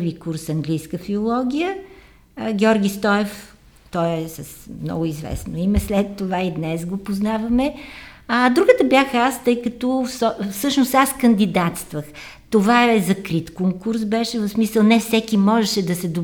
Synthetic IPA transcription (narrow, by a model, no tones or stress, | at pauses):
pvikuɾsɐŋɡlijskəfiolˠɔɡʲijə | ɡʲɛɔɾɡʲist̪ɔɛf | t̪ɔjɛsəsmnɔ̰ɡʊizvɛ̰snoimɛslɛt̪ːovaid̪nɛsɡopoznavɐmɛ | ad̪ɾuɡət̪əbjaxast̪ɤjkɐt̪ɔfsɔfsɤʃnosaskənd̪id̪at̪st̪vəx | t̪ovaɛɛzɐkɾit̪koŋkuɾsbɛʃɛvɐfsmisəlˠnɛfsɛkimɔʒɛʃɛd̪ɐsɛd̪o